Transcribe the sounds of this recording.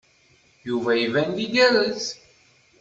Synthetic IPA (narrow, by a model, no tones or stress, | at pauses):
juvæivændiɡæɾəz